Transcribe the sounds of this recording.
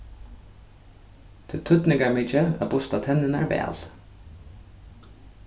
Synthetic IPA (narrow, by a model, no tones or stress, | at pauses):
t̪ʰɪlt̪ʰʏt̪nɪŋkamiːt͡ʃəa̰bʊst̪at̪ʰɛnːɪnæ̰ɹvɛ̰ːl